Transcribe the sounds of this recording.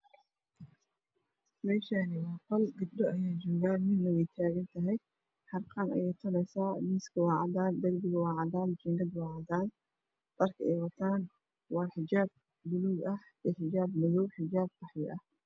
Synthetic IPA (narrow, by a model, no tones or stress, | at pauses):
mɛːʃanɪwɑqɔlɡɐbdɔɐjaːjd͡ʒɔːɣaːnmɪnmɐjɛt̪ʰaːɣɐnt̪ʰɐɦɛj | ħɑrqʰɑːnɐ̰jɛjt̪ʰɐlɛjsaːmɪːskʰɐwɑːʕɑðaːnd̪ɐrbɪɣɐwɑːʕɑðaːnd͡ʒɛŋɡɐd̪wɑːʕɑðaːn | d̪ɐrkʰɐɛjwɐt̪ʰaːn | wɑːħɪd͡ʒaːb̚ | d̪ʊluːɡɐh | ɛːħɪd͡ʒaːbmɐðɔwħɪd͡ʒaːb̚bɑħjɛʔɐh